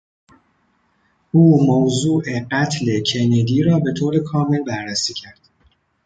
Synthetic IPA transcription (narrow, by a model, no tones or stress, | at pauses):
ʔuːmowzuːʔe̞ɢæt̪ʰle̞cʰe̞ned̪iːɾɒːbe̞t̪ʰoːɾekʰɒːme̞lbæɾːæsiːcʰæɾd̪̥